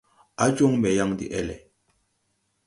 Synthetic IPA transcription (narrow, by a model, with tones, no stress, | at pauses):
a˦d͡ʒo˦ŋmɛ˨ja˦ŋdḭ˨ʔɛ˦˨lɛ˨